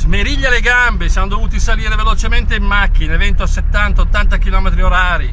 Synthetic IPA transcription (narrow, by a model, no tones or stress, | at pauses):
zmeɾiʎːaleɡambesianod̪ovuːt̪isaliːɾevelot͡ʃement̪eimːakːinevɛnt̪oasːet̪ːant̪aot̪ːant̪ak̟ilɔːmet̪ɾioɾaːɾi